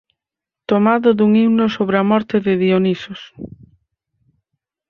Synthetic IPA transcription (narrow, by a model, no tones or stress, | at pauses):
t̪omaðʊðuŋiwnosoβɾeɐmɔɾt̪ɪðɪðionisos